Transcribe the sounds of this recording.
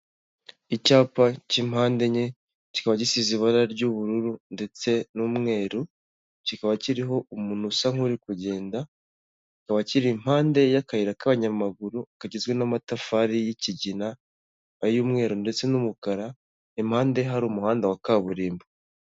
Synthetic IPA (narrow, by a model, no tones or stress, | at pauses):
icaːpacimhaːnde̞ɲe | ci̥kaβacisiziβaɾaɾɟuβuɾuɾunde̞t͡se̞nuːmŋe̞ːɾu | cikaβaciɾiɦo̞umunusaŋuɾikuɟe̞ːnda | cikaβaciɾim̥haːnde̞jakajiɾakaβaɲamaɡuɾuakaɟezɡwe̞namatafaɾijiciɟinaː | juːmŋe̞ːɾunde̞t͡se̞numukaɾa | imhaːnde̞ɦaɾuːmuhaːndawakaːβuɾiːmbo